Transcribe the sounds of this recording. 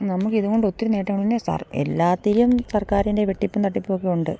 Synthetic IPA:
nɐmukːɨiðuɣo̞ɳɖɨo̞t̪ːiɾune̞ːʈːɐŋːɐɭinesɐ̰rḛlːaːt̪ːiɾijɐmsɐrkaːɾinde̞ʋe̞ʈːipːumt̪ɐʈːipːo̞ːkːiuɳɖɨ̰

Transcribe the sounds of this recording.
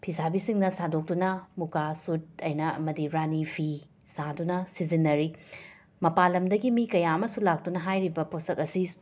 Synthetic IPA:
pʰisabisiŋnɐsadok̚tunɐmukasut̚ɐjnɐɐ̰mɐdiɾanipʰi | sadunɐsizinːɐɾi | mɐpalɐmdɐɡimikɐjaɐmɐsulak̚tunɐɦajɾibɐposɐkɐsi

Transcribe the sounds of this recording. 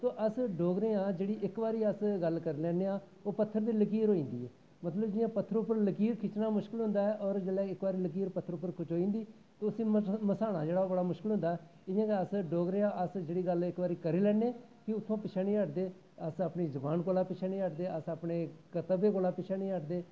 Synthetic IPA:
t̪oːʔəsɖoːɡɾẽːãːd͡ʒeːɽiːʔɪkʋaːɾiːəsɡəlkəɾilɛːneːãː | oːpət̪ʰːəɾd̪iːlək̬iːɾɦoːĩːnd̪ḭːɛ̰ː | mət̪ləbd͡ʒɪjãːpət̪ʰːəɾʊpːəɾləkiːɾkʰɪt͡ʃnaːmʊʃkɪlɦʊ̃nd̪aːɛːʔɔːɾd͡ʒelɛːɪkʋaːɾiːlək̬iːɾpət̪ʰːəɾʊpːəɾkʰʊt͡ʃʰɦoːĩːnd̪iː | t̪oːʊsĩːməsaːɽ̃a̰ːd͡ʒeːɽaːobəɽaːmʊʃkɪlʊ̃nd̪aːɛː | ɪjãːkeəsɖoːɡɾẽːãːʔəsd͡ʒeːɽiːɡəlɪkbaːɾiːkəɾiːlɛːneː | kɪʊt̪ʰːõːpɪt͡ʃʰaːnĩːəʈd̪eː | əsaːpɳiːzəbaːnkoːlaːpɪt͡ʃʰaːnĩːəʈd̪eːəsapɳeːkət̪əbeːkoːlaːpɪt͡ʃʰaːnĩːəʈd̪eː

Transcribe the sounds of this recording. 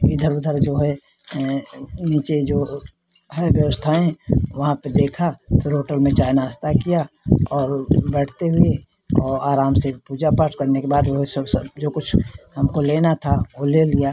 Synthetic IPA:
ɪd̪ʱəɾʊd̪ʱəɾd͡ʒoːɦɛ | niːt͡ʃed͡ʒoː | ɦɛʋjəʋəst̪ʰaẽʋɐɦãped̪eːkʰafʰɪɾɦoːʈəlmẽt͡ʃaːɪnaəst̪akijaɔːɾbɛɽ̤t̪eɦʊe | ɔːɾaːɾaːmsepuːd͡ʒapaːɾʈkɐɾnekebaːd̪oɦɛsəbsbd͡ʒoːkʊt͡ʃʰhɐmkoleːnat̪ʰaʋolelija

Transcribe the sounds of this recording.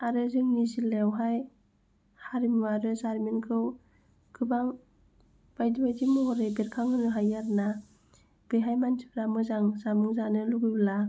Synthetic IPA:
aɾɯzɯŋnizilewɦaj | haɾimaɾɯzaɾminkʰɯw | kʰɯbaŋ | b̥ajdibajdimɯɦɔɾejbeɾkʰaŋɯnɯɦajaɾna | b̥eɦajmansʰɯpɾamɯzaŋzamuŋzanɯluɡɯjbla

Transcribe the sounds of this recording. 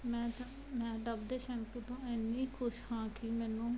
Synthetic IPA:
mɛ̃ː | mɛ̃ːɖəbd̪eːʃɛ̃ːmpət̪õːeːnːiːkʰʊʃhãːkɪmɛ̃ːnũː

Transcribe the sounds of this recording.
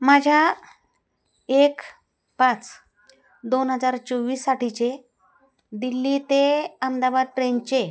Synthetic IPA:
mad͡ʑʱja | ek | pãt͡s | d̪onɦəd͡zaɾt͡sɔʋiːsːaʈit͡ɕe | d̪ilːiːt̪eəmd̪abad̪̚ʈɾent͡ɕe

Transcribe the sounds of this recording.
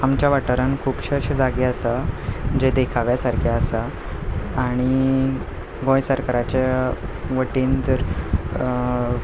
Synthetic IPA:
amt͡ɕjaʋəʈəɾankʰuːpɕəɕəd͡zaɡiasad͡ʑed̪ekʰaʋjasaɾkʰiasaː | ɽ̃i | ɡõjsəɾkaɾat͡ɕa | ʋəʈiːnd͡zəɾ

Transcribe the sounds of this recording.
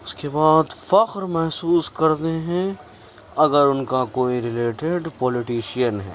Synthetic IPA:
ʊskebaːd̪fɐqɾmɛɦsuːskɐɾd̪eɦɛ̃ | ɐɡəɾʊnkakoːiɾɪleːʈeɖpɔːlɪʈiːʃijənɦɛ̰ː

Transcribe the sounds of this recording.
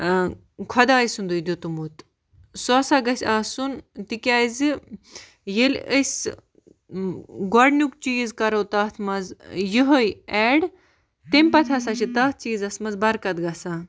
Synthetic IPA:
kʰɐd̪aːisund̪ud̪ʲot̪umut̪ | soɐsaːɡɐsʲaːsunt̪ikʲaːzɨ | jelʲəsʲ | ɡɔɖnʲuk̚t͡ʃiːzkɐɾowt̪aːt̪ʰmɐzjiɦojɛɽ | t̪emʲpɐt̪ʰɐs̬at͡ʃʰit̪ɐːt̪̚ʰt͡ʃiːzɐsmɐzbɐɾkɐt̪ɡɐsaː

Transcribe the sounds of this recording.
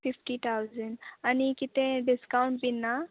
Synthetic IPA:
pifʈit̪ʰawzəɳɖanikit̪ẽɖiskawɳʈ̚binːa

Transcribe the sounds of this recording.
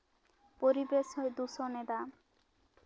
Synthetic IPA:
poɾibeʃɦoed̪usoned̪a

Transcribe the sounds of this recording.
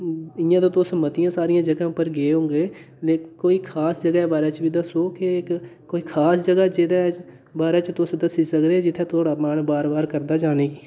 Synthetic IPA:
ɪjãːd̪ãːt̪ʊsəmət̪ɪjãːsaːɾɪjãːd͡ʒəɡãːpəɾɡeːɦõːŋɡeː | leːkoːiːkʰaːsd͡ʒəɡaɛːbaːɾeːt͡ʃbiːd̪əsoːkek | koːiːkʰaːsd͡ʒəɡaːd͡ʒed̪aːɛ | baːɾeːt͡ʃt̪ʊsd̪əsiːsəkd̪eɛd͡ʒɪt̪ʰːẽːt̪ʰoːɽaːmaːnbaːɾbaːɾkəɾd̪aːd͡ʒaːneːɡiː

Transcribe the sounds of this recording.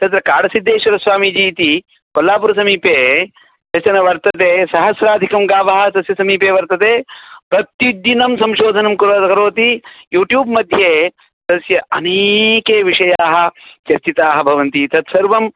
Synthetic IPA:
t̪ɐt̪ɾɐkaːɽɐsid̪ːeːʃɐɾɐsʋaːmid͡ʒiːt̪i | kɔlːaːpuɾɐsɐmiːpeː | t̪ɐsjɐnɐʋɐɾt̪ɐt̪eːsɐɦɐsɾaːd̪ʱikɐmɡaːʋɐːɦɐ̆t̪ɐsjɐsɐmiːpeːʋɐɾt̪ɐt̪eːpɾɐt̪jud̪jinɐmsɐ̃mʃoːd̪ʱɐnɐmkuɾoːt̪ɐkɐɾoːt̪ijuːʈjuːbmɐd̪ʱjeː | t̪ɐsjɐʔɐneːkeːʋiʂɐjaːɦɐ̆t͡ʃɐɾt͡ʃit̪aːɦɐbʱɐʋɐnt̪it̪ɐt̪sɐɾʋɐm

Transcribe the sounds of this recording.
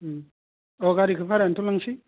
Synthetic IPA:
oɡaɾikɯfaɾentulaŋsi

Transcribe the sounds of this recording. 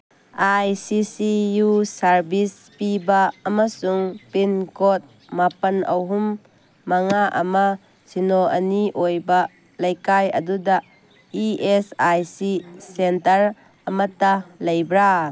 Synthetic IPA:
ʔajsisijusɐɾbis | pibaːmasuŋpinkɔt̚ | mapɐnʔɐwɦumː | ɐŋaʔɐ̰ma | sinɔʔɐniʔojba | lɐjkajɐduda | iesajsisentɐɾ | ɐmɐt̪alɐjbɾa

